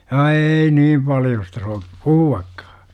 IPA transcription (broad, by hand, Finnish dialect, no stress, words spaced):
ɑ eːi nim pɑljostɑ so puhuɑkːɑ̥ː